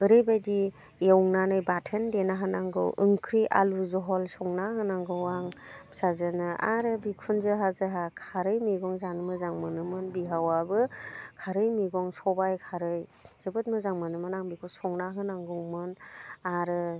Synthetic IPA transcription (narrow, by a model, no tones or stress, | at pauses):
b̥ɯɾɯjbajdi | jawŋnanɯjbatʰendenaɦɯnaŋɡɯ̰wɯŋkʰɾiʔa̰luzɔɦɔlsɔŋnaɦɯnaŋɡɯwaŋsazɯnɯʔaɾɯbikʰunzɯɦazɯɦakʰaɾɯjmiɡɔŋzanmɯzaŋmɯnɯmɯnbiɦawabɯkʰaɾɯjmiɡɔŋsɔbajkʰaɾɯjz̥ɯbɯt̚mɯzaŋmanɯmɯnaŋbikʰusɔŋnaɦɯnaŋɡɔŋmɯnaɾɯ